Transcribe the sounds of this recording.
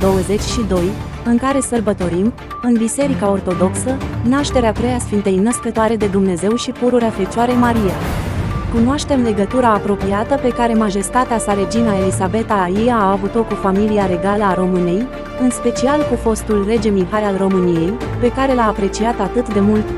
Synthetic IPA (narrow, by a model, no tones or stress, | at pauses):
d̪o̞wəze̞t͡ʃʲʃid̪o̞j | ɨŋkaɾe̞sərbət̪o̞ɾim | ɨnbise̞ɾikao̞rt̪o̞d̪o̞ksənaʃt̪e̞ɾeapɾejasfint̪e̞jnəskət̪oaɾe̞d̪e̞d̪umne̞ze̞wʃipuɾuɾeafe̞t͡ʃaɾe̞maɾijakunoaʃt̪e̞mle̞ɡət̪uɾaːpɾo̞piat̪əpe̞kaɾe̞maʒe̞st̪at̪easale̞d͡ʒinae̞lisabe̞t̪ajijaːvut̪lo̞kːufamiliaɾe̞ɡaləaɾo̞mɨne̞j | ɨnspe̞t͡ʃialkufo̞st̪ulre̞d͡ʒe̞miɦaɾalro̞mɨnije̞jpe̞kaɾe̞laːpɾe̞t͡ʃiat̪at̪ɨt̪d̪e̞mult̪